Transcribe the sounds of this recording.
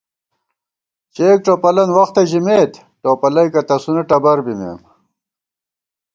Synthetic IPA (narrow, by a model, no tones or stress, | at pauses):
t͡ɕeːk̚ʈ͡ʂopɐlɐnwɐxt̪eʑimeːt̪ | ʈoːpɐlɐjkɐt̪ɐsuneʈɐbɐɾbimḛːm